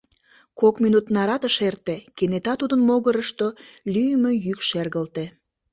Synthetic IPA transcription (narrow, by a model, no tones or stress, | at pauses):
kokminut̪nɑɾɑt̪əʃert̪ekenet̪ɑt̪ud̪ənmoɣəɾəʃt̪olyjəmøjykʃerɣəlt̪e